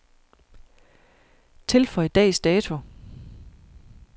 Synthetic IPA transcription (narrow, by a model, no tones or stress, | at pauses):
t͡sʰe̝lfɒ̽ɪd̥ɛ̰ːsd̥ɛːt͡sʰo